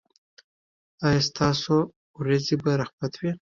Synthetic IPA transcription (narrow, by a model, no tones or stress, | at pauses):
ɑjast̪ɑso | wɾazibaɾaxbat̪ʰwi